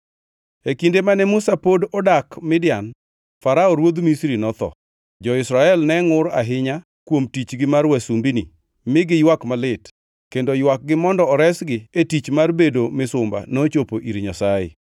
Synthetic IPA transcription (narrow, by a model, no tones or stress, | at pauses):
ekindemanɛmusapodɔdakmɪdjan | faɾaoɾwod̪misɾinɔt̪ɔ̰ | d͡ʒɔɪsɾaɛlnɛŋʊɾa̰ɦɪɲa | kwomtit͡ʃɡɪmarwasumbinḭ | mɪɡɪjwakmalɪt | kendojwak̚ɡɪmɔndɔɾɛsɡɪetit͡ʃmarbedomɪsʊmba̰not͡ʃopoʔiɾɲasajɪ̰